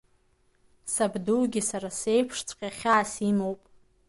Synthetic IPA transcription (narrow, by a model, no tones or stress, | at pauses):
sabduːɡʲisaɾasejpʰʂt͡sʷʰʼqʲʼaχʲaːsimowpʼ